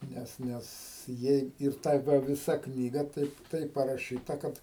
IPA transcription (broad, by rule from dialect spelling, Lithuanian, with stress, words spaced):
ˈnʲɛs ˈnʲɛs ˈjɛɪ ɪr ˈtɐ ˈʋɐ ʋʲɪˈsɐ ˈknʲiːɡɐ ˈtɐɪp ˈtɐɪp pɐrɐˈʃʲiːtɐ ˈkɐt